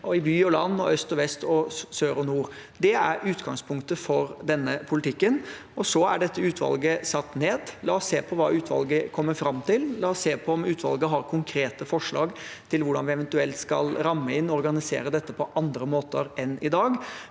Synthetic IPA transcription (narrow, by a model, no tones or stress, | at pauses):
ʔɔɪbyːɔlɑnːɔ̰œst̪ɔʋɛst̪ʰɔsøːɾɔnuːɾd̪ɛæɾʉːt̪ɡɑŋspʰʊŋk̚t̪əfɔɾd̪ɛnːəpʰʊlɪt̪ʰɪkːən | ɔsɔæ̰ɖɛt̪ːəʉːt̪ʰʋɑ̰lɡəsɑt̪ːneːd̪lɑːɔsːeːpʰɔʋɑːʉːt̪ʰʋɑ̰lɡəkʰɔmːəɾfɾɑmːt̪ɪllɑːɔsːeːpʰɔɔmʉːt̪ʰʋɑ̰lɡəɦɑɾkʰʊŋkʰɾeːt̪əfɔʂɭɑ̰ːɡt̪ʰɪlʋʊɖɑnʋɪɛʋɛnt̪ʉɛlt̪skɑ̰lɾɑmːəɪnːɔɔɾɡɑnɪsḛːɾəd̪ɛt̪ːəpʰɔʔɑnd̪ɾəmoːt̪əɾɛnɪd̪ɑːɡ